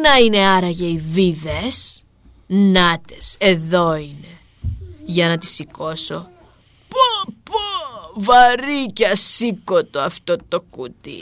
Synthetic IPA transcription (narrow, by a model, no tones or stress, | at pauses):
nɐine̞ɐɾɐʝɐiviðes | nɐt̪e̞se̞ðo̞ine | ʝɐnɐt̪i̥siko̞so̞ | popovɐɾiceɐsikot̪oɐft̪ot̪o̞kut̪ḭ